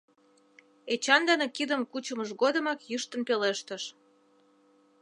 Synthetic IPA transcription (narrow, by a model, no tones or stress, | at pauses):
et͡ɕɑnd̪ɑnekid̪əmkut͡ɕəməʃɣod̪ə̆mɑkjyʃt̪ənpeleʃt̪əʃ